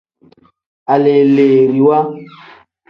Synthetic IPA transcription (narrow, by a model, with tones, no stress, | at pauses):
a˨le˨le˨ɾi˨wa˦